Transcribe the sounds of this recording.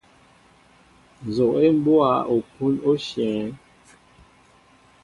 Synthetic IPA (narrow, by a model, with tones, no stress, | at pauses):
n˨zo˨ʔe˦m˦bwa˦o˨pu˦no˦ʃjɛ̃˨˦